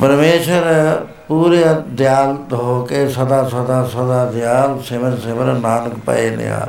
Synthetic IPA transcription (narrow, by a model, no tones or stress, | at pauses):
pəɾmeːʃəɾ | puːɾəd̪jaːlt̪ɦoːkesɐd̪aːsɐd̪aːsɐd̪aːd̪jaːlseməɾseməɾnaːnkpɐ̰enḭja̰ːl